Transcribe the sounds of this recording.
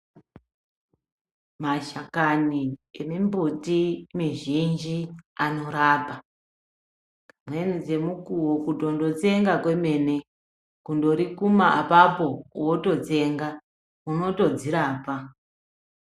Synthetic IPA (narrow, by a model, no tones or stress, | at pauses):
maʃakaniemimbutimiʒind͡ʒiano̞ɾaːpa | mwe̞nid͡ze̞mukuwokuto̞ndo̞t͡se̞ŋɡakwe̞me̞ne̞ | kundo̞ɾikumaapapo̞woto̞t͡se̞ŋɡa | uno̞to̞d͡ziɾaːpa